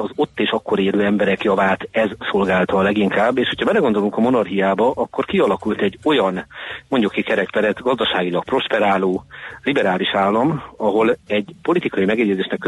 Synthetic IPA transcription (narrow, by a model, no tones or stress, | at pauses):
ɒzo̞t̪ːeːʃɒkːo̞ɾeːløːɛmbɛɾɛkjɒvaːt̪ɛzso̞lɡaːlt̪ɒːlɛɡiŋkaːbːeːʃho̞cʰɒbɛlɛɡond̪o̞luŋkɒmo̞nɒrɦijaːbɒʔɒkːo̞rkiɒlɒkult̪ɛɟːo̞jɒnmo̞ɲɟukːikɛɾɛkpɛɾɛt̪ɡɒzd̪ɒʃaːɡilɒk̚pro̞ʃpɛɾaːloːlibɛɾaːliʃaːlːɒmɒɦo̞lɛɟpo̞lit̪ikɒjimɛɡɛɟːɛzeːʃnɛkːø